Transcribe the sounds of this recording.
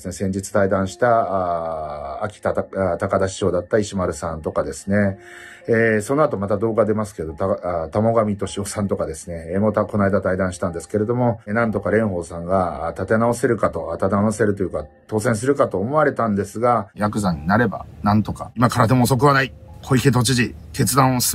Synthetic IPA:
sɨne̞sẽ̞ɲ̟d͡ʑit͡sɨ̥t̪aid̪ãɰ̃ɕi̥t̪aaː | kʲi̥t̪aat̪akad̪aɕi̥ɕo̞ːd̪at̪ːaiɕimaɾɯ̟sãnt̪o̞kad̪e̞sɨ̥ne̞ | eso̞noat̪o̞mat̪ad̪o̞ːɡad̪e̞masɨ̥keed̪ot̪at̪amo̞ɡamʲit̪o̞ɕio̞sãnt̪o̞kad̪e̞sɨne̞mo̞t̪ako̞naid̪at̪aid̪ãɰ̃ɕi̥t̪ãnd̪e̞sɨ̥ke̞ɾe̞d̪o̞mo̞nãnt̪o̞kaɾẽ̞ɰ̃ɦo̞ːsãŋɡat̪at̪e̞naose̞ɾɯ̟kat̪o̞at̪at̪enaose̞ɾɯ̟t̪o̞jɯ̟ka | t̪o̞ːsẽɰ̃s̬ɨɾɯ̟kat̪o̞ːmo̞βaɾe̞t̪ãnd̪e̞sɨɡajakɯ̟zãɲ̟ːinaɾe̞ba̰nãnt̪o̞kaimakaɾad̪emoːso̞k̬ɯ̟βanaikʰoiket̪o̞t͡ɕiʑi | t̪ʰe̞t͡sɨd̪ãɰ̃os

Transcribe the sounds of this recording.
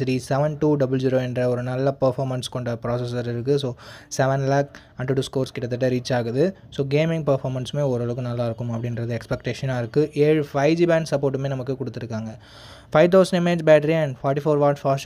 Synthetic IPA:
ɾisɛʋɛnʈuːɖɐbɐld͡ʒiːɾoːɛndɾɐɔɾɯnɐlːɐpɐɾfaːmɐnskɔɳɖɐpɪɾaːs̬ɛsɐɾɪɾɯkːɯsoːsɛʋɛnlaːk | ɐɳɖɐʈːuskoːɾskɪʈːɐt̪ːɐʈ̬ːɐɾiːt͡ʃːaːɣɐðɯsoːɡeːmɪ̃ŋɡ̚pɐɾfaːɾmɐnsmeːɔɾɐɭɐkːɯ̃nɐlːaːɪɾɯkːɯmɐpːɐɽɪnɾɐðɯɛkspɛkʈeːʂɐnaːɪɾɯkːɯʔeːɻfɐɪʋd͡ʒiːbaːɳɖsɐpːoːɾʈːɯmeːnɐmɐkːɯkɔɽɯt̪ːɯɾɯkːaːŋɡɐ | fɐɪʋt̪̬ɐʊsɐɳɖɪmeːd͡ʒbaːʈɐɾiɛɳɖfɔːʈːifoːɾʋaːɾʈfaːʂ

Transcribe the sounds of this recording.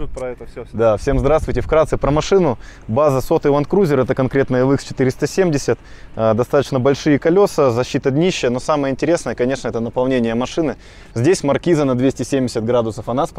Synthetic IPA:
ɛt̪d̪afsʲe̞mzd̪ɾast̪vʊjtʲɪfkɾat̪sɨpɾəmɐʂɨnʊbazəso̞t̪ɨvɐnt̪kɾuzʲɪɾɛt̪əkɐnkɾʲe̞t̪nəjəlˠɨkst͡ɕɪ̥t̪ɨɾʲɪst̪əsʲemʲdʲɪsʲət̪ː | d̪ɐst̪at̪ə̥t͡ɕnəbɐlʲʂɨjəkɐlʲo̞səzɐɕːit̪əɐd̪nʲiɕːɪjənosaməjəɪnʲtʲɪɾʲe̞snəjəkɐnʲe̞ʂnəɛt̪ənəpɐlˠnʲenʲɪjəmɐʂɨnɨ | zʲdʲesʲmɐrkʲizənɐd̪vʲesʲtʲɪsʲemʲdʲɪsʲət̪̚ɡɾad̪ʊsəfɐnasp

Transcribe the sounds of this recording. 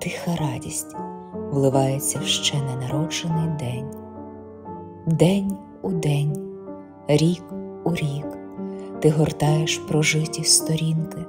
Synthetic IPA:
t̪ɪxɐɾɑdʲisʲtʲ | ʋlˠɪʋɑjet͡sʲːɐʃt͡ʃɛnɛnɐɾɔt͡ʃenɪjd̪ɛnʲ | d̪ɛnʲ | ud̪ɛnʲ | ɾʲikuɾʲik | t̪ɪɦɔrt̪ɑjeʃpɾɔʒɪtʲist̪ɔɾʲinkɪ

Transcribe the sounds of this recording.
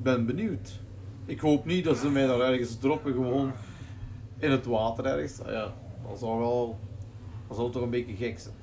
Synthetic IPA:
bɛnbənywt | ɪkɦoːpnit̚dɑtsəmɛjdaːɾɛrɣəsdrɔpəɣəʋoːn | ɪnɦətʋaːtəɾɛrɣəsjadɑ̰zɑlˠʋɛlˠ | dɑzɑlˠtɔxənbeəɣɛksɛn

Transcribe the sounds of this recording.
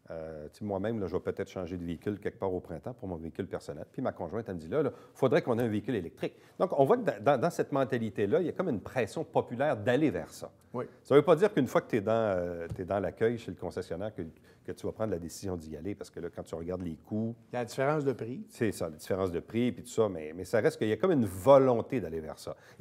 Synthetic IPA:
øt͡semwamɛ̃mlʌʒəvapøt̪ɛːt̪χʃɑ̃ʒed̪əveikʲʏlkʲɛk̚paːʁopχɛ̃t̪ãpuʁmɔ̃veikʲʏlpɛʁsɔnɛ̰lpimakɔ̃ʒwɛ̃t̪aməd͡z̪ilʌlʌfod̪ʁɛkɔ̃neɛ̃veikʲʏlelɛk̚t̪ʁɪk̚ | d̪ɔ̃kɔ̃vwakd̪̃d̪ɑ̃d̪ɑ̃sɛt̪mɑ̃t̪alit̪elʌiljakɔmynpχɛsjɔ̃pɔpylɛːʁd̪alevɛ̰ːʁsʌ̰ | wisavøpʌd̪iːʁkynfwakə̥t̪ɛd̪ɑ̃øt̪ɛd̪ɑ̃lakʲœjʃeləkɔ̃sɛsjɔnɛːʁkə | kət̪yvapʁɑ̃nd̪lad̪esizjɔ̃d̪ia̰lepaʁsə̥kəlʌkɑ̃t̪yʁəɡaʁd̪leːkʰujalad̪ifeʁɑ̃sd̪əpʁisesalad̪i̥feʁɑ̃sd̪əpʁipit̪u̥sʌmɛ̰mɛsaʁɛst̪̚kəijakɔmynvɔlɔ̃t̪ed̪alevɛ̰ʁsʌ̰

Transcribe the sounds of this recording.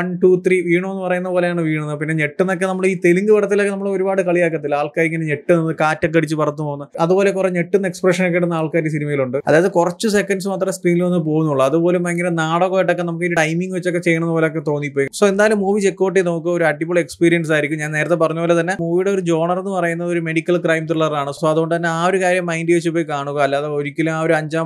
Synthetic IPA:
ɐɳʈuːt̪ʰriːʋiːɳumenːɨpɐrɐjunːɐpoːlejaːɳɨʋiːɳunːɐpinːe̞ɲe̞ʈːunːokːe̞nɐmːɐɭiːt̪eliŋɡɨʋɐɽɐt̪ːilokːe̞nɐmːɐɭeo̞ɾubaːɽɨkɐɭijaːk̬ːɐt̪ːilaːɭkaːɾiŋːɐneɲe̞ʈːuninːɨkaːtːɐk̬ːɐɽit͡ɕːɨpɐrɐt̪ːupoːunːɐɐðupo̞ːle̞kureɲeʈːunːɐekspreʂɐnok̬ːeɽunːaːɭkaːɾisinimɐjiluɳɖɨɐ̰ðaːjɐðɨkurɐt͡ɕːusekːɐndsɨmaːt̪rɐmskriːnilonːɨp̬oːɣunːuɭːɐɐðupo̞ːlumɐŋɡilenaːɽoɣoːjiʈːokːenɐmuk̬ːiɾiʈɐjmiŋɡɨʋet͡ɕːo̞kːet͡ɕe̞jːɐɳɐenːɨpoːleok̬ːet̪o̞ːnːipːo̞ːjisoːend̪aːjilumːuːʋit͡ɕe̞kːoːʈ̬ːeno̞ːkːɨoɾuɐʈːipːuɭekspiːɾijɐns̬aːjiɾikʲːumɲaːneːɾɐt̪ːepɐrɐɲːupoːlet̪ɐnːe̞muːʋiɽe̞o̞ɾud͡ʑo̞ːɳɐrenːɨpɐrɐjunːɐðo̞ɾumeɽikʲːɐlkraːjmt̪riɭɐraːɳɨsoːɐðuɣo̞ɳɖɨt̪ɐnːe̞aːo̞ɾukaːɾjɐmːɐjnɖɨʋet͡ɕːupːoːjikaːɳuɣɐɐlːaːðeoɾikʲːɐlumaːo̞ɾuɐɲd͡ʑaːm

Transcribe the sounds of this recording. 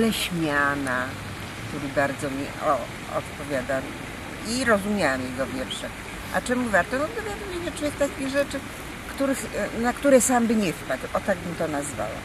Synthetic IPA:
lɛɕmʲjana | kt̪uɾɘbaɾd̪zɔmʲiɔ | ɔ̰t̪pɔvʲjad̪a | iɾɔzumʲjawɛmjɛɡɔvʲjɛɾʂɛ | ʔa̰t͡ʂɛmuvaɾt̪ɔnɔɔvʲjad̪ɨmɲeɲɛtujɛt̪akʲiɣʐɛt͡ʂɘ | kt̪uɾɘxnakt̪uɾɛsambɘɲɛfpad̪wʔɔt̪aɡbɘmt̪ɔnazva̰wa̰

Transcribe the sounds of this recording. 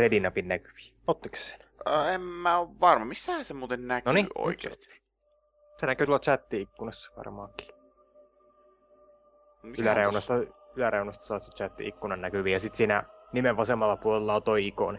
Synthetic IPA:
redinɑpinnæky̥ʋi̥ː | ot̪ːikse̥se̥nəemːæoʋʋɑrmɑmisːæhæsemuːt̪ennæknonio̰ikḛːst̪i̥ | senækˑyt̪ulːˑɑt͡ʃæt̪ːiikːunɑsːɑ̥ʋɑ̰rmɑːŋki̥ː | ylæɾeunɑst̪ɑylæreunɑst̪ɑ̥sɑːt̪set͡ʃæt̪ːḭikːunɑnnækyʋiːjɑsit̪siːnænimeʋʋɑsemɑlːɑpuolelːɑot̪oiiko̰ne

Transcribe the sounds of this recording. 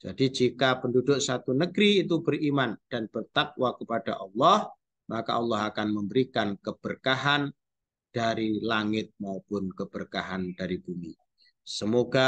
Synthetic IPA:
d͡ʒ̥a̰did͡ʒikapəndudʊʔsat̪unəɡɾiːt̪ubərimand̥anb̥ərt̪ak̚wakəpadaʔɑlːɔh | maka̰ʔɑlːɑhakanməmbəɾikankəb̥ərkaɦan | d̥aɾilaŋɪt̪̚maupʊnkəb̥ərkaɦand̥aɾib̥umi | səmoɡa

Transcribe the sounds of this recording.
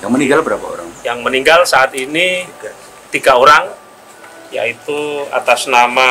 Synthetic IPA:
jaŋməniɡalbəɾapa̰o̰ɾa̰ŋjaŋməniŋɡalsaːt̪ini | t̪iɡaoɾaŋ | ja̰it̪ua̰t̪asnama

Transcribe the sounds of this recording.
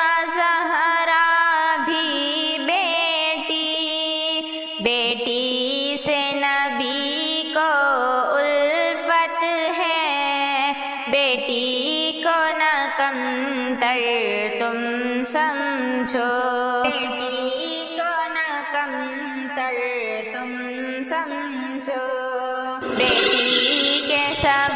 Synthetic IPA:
zɐɦɾabʱibeːʈi | beːʈisenɐbʱikoʊlfət̪ɦɛ | beːʈikonakəm | t̪əɾt̪ʊm | sɐmd͡ʒʱoːeːʈi | kona | kɐm | t̪əl | t̪ʊm | sɐm | d͡ʒʱo | beːʈikesa

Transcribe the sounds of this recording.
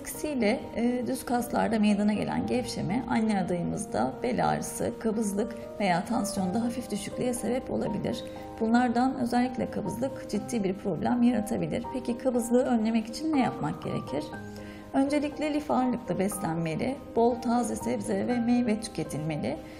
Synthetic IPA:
ksijlʲɛd̪yzkʰast̪lˠa̰ɾd̪ame̞jd̪anaɟe̞̰lʲæ̰nɟɛfʃemɛʔanlaad̪ajɯmɯ̰zd̪a̰b̥e̞lʲa̰ːɾɯsɯ̰kʰabɯzlˠɯk | ve̞jaːt̪ʰansjo̞nd̪aɦafifd̪yʃyclʲijɛse̞bɛpo̞̰lˠa̰bilʲḭɾ̥ | b̥unlˠaɾd̪anøzælʲːiclʲɛkʰabɯzlˠɯkd͡ʒid̪ːiːbiɾpɾo̞blʲæmjaɾat̪ʰabilʲiɾ̥pʰecikʰabɯzlˠɯːø̞nlʲe̞mɛci̥t͡ʃʰinːɛjapmak̚ɟ̥e̞̰ɾe̞̰cʰiɾ̥ | ø̞nd͡ʒe̞lʲicʲlʲɛlʲifaɾlˠɯklˠɯbɛslʲænme̞lʲɪ̰b̥o̞lˠt̪ʰaːzɯsɛbzɛvɛmejvɛt̪ʰːy̥cʰe̞t̪ʰilʲme̞lʲɪ

